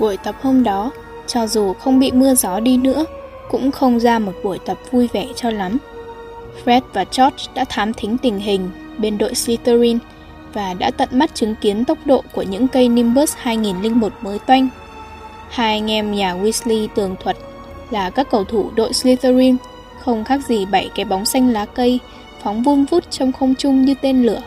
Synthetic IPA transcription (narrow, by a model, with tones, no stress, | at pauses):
ɓu˧˩jt̪ə˨˩p̚ho˧mɗɔ˨˦ | t͡ɕɔ˧zu˨˩xə˧wŋ͡mɓḭ˧˨mɨ˧əzɔ˨˦ɗi˧nɨ̰˧˥ə | kʊ̰˧˥ŋ͡mxə˧wŋ͡mzaː˧mo˨˩t̚ɓu˧˩əjt̪ə˨˩p̚vu˧jvɛ˧˩t͡ɕɔ˧la˨˦m | fɹɛ˦˥t̚vaː˨˩t͡ɕɔ˦˥t̚ɗa̰ː˧˥t̪ʰaː˨˦mt̪ʰï˨˦ŋ̟t̪ï˨˩ŋ̟ɦï˨˩ŋ̟ | ɓe˧nɗo̰˧˨jsli˧t̪ə˧ɾi˧n | vaː˨˩ɗa̰ː˧˥t̪ə̰˧˨nma˦˥t̚t͡ɕɨ˨˦ŋki˨˦ənt̪ə˦˥wk͡p̚ɗo̰˧˨ku˧˩əɲɨ̰˧˥ŋkə˧jni˧mɓəː˦˥shaː˧jŋi˨˩nlï˧ŋ̟mo˨˩t̚məː˨˦jt̪wa˧jŋ̟ | haː˧jŋɛ˧mɲaː˨˩wi˧˥sli˧t̪ɨ˨˩əŋt̪ʰwə˨˩t̚ | laː˨˩kaː˦˥kːə˨˧˩wt̪ʰu˧˩ɗo̰˧˨jsli˧t̪ə˧ɾi˧n | xə˧wŋ͡mxaː˦˥k̚zi˨˩ɓa˧˩jka˨˦ɓa˨˦wŋ͡msa˧jŋ̟laː˨˦kə˧j | fɔ˨˦wŋ͡mvu˧nvu˦˥t̚t͡ɕɔ˧wŋ͡mxə˧wŋ͡mt͡ɕʊ˧ŋ͡mɲɨ˧t̪e˧nlɨ˧˩ə